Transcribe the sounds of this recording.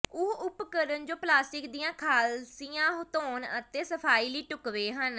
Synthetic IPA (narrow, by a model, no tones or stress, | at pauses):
ʊɦʊpkəɾənd͡ʒoːplaːsʈɪkd̪iːãːkʰaːlsijãːɦt̪oːnət̪eːsəpʰaːiːləiːʈʊkʋeːɦən